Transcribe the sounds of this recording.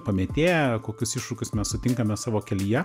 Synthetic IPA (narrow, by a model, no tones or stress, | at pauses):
pɐmʲeːt̪ʲeːjɛkoːkʲʊsɪʃɾʊkʲʊsmʲɛssʊt̪ʲɪŋkɐmʲɛsɑːʋoːkʲɛlʲijɛ